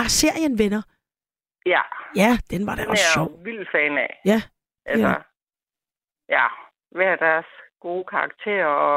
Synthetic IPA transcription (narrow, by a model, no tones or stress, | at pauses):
ɑse̝ɐ̰jənʋenɐ | jæjæd̥enʋɑ̈ɾ̥eɒsæɕɒ̰ʊ̰ʋil̰d̥fɛːnɛjæ | ʔælsɐ | jæ | ʋææd̥æɐsɡ̥o̝ːkʰɑ̈ɑɡ̥t͡sʰe̝̰ːɐɒ